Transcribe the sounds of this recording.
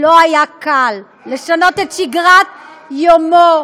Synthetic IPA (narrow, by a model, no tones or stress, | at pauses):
loajakalː | eʃano̞t̪et̪ʃiɡʁat̪̚ | jomo